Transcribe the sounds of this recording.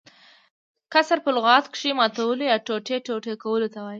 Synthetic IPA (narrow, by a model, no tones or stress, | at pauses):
kasaɾpəlɣɑt̪kʂimɑt̪awəlojɑʈoʈeʈoʈekawəlot̪awɑji